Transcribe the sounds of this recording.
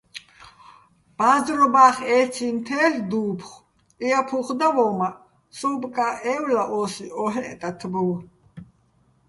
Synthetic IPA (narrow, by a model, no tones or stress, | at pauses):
b̥azɾɔbaχɛt͡sʰint̪ʰɛːɬd̪uːpʰχ | iapʰuχd̪avɔmaʔ | sɔbkʼaʔɛwlaʔɔsiʔɔɦɛʔt̪ʼat̪ʰbuw